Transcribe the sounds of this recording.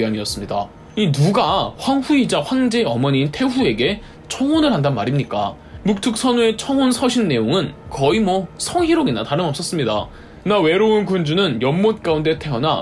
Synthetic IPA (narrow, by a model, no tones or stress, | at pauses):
iaɲiʌs͈ɯmɲida | inuɡaɸwanɸuid͡ʑaɸwaŋd͡ʑe̞ʌmʌɲiːntʰe̞ɸue̞ɡe̞ | t͡ɕʰʌŋonɯɭɦandanmaɾimɲik͈a̰ | muk̚tʰɯk̚s͈ʰʌnue̞t͡ɕʰʌŋonsʰʌɕʰinːe̞joŋɯnkʌimwʌsʰʌŋɦiɾoɡinataɾɯnʌp̚s͈ʌs͈ɯmɲida̰ | nawe̞ɾounkund͡ʑunɯnjʌmːot̚k͈aunde̞tʰe̞ʌna